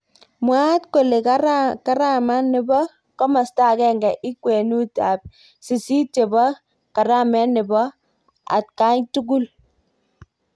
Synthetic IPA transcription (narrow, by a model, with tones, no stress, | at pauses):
mwa˦tko˨le˨ka˦ka˦ɾa˦˨ma˦nɪ˨bɔ˦ | kɔ˦ma˨sta˦˨kɛ˦˨ŋɡɛ˨ʔi˦kwe˨nu˦ta˨p̚ | si˨si˦te˨bɔ˦ | ka˨ɾa˦˨mɛ˦nɪ˨bɔ˦ | a̰˨t̚ka˦ɲtu˦ɡ̬u˦l